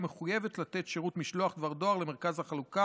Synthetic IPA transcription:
meχujevet̪lat̪et̪ʃeʁut̪miʃlo̞aχd̪vaʁd̪o̞aʁleme̞ʁkazhaχaluka

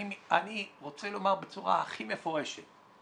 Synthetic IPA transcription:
a̰niʁo̞t͡selo̞maʁbet͡suʁa̰aχime̞fo̞ʁe̞ʃet

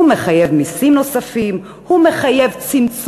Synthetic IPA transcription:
umeχajevmisimnosafim | humeχaje̞vt͡simt͡s

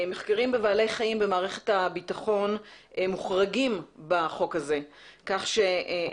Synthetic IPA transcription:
me̞χkaʁimbevaːle̞jχaimbe̞maːʁe̞χethabitaχo̞n | muχʁaɡimbaχo̞khaze̞ | kaχʃe

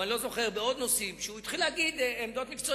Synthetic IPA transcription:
anilo̞zo̞χeʁbeo̞d̪nosimʃeuit̪χilhaɡid̪emd̪o̞t̪mikt͡so

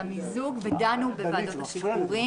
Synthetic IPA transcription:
amizuɡved̪anubevad̪ot̪hasipuʁi

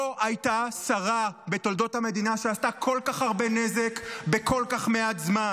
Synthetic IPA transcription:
oʔajtasaʁabe̞to̞ld̪o̞thame̞d̪inaʃeastakʰo̞lkaχaʁbe̞neze̞kbe̞ko̞lkaχme̞atzma

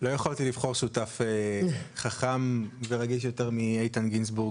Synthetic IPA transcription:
lo̞jeχaltilivχo̞ʁʃutafeχaχamveʁaɡiʃ̬jo̞te̞ʁmiejtanɡins̬buʁɡ

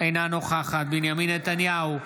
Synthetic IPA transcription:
enaːnoxaːxat̪̚binjɐminɐt̪ɐnjaːwu

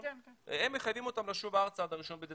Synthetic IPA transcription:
emːeχajvimot̪amlaʃuvaaʁt͡saːd̪aʁiʃo̞nbed̪e

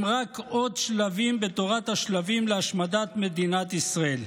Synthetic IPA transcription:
mʁakod̪ʃlavimbe̞t̪oʁat̪haʃlavimleaʃmad̪at̪me̞d̪inat̪isʁael

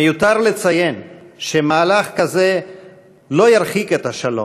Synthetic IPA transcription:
ejut̪aʁlet͡saje̞nʃemaːlaχkaze̞ | lo̞jaɾχiket̪haʃalo̰

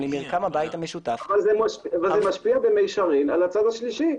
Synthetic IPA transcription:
lemiʁkamabajt̪hameʃut̪afavalzemaʃvalzemaʃpiabemejʃaʁina̰lat͡sad̪aʃliʃi

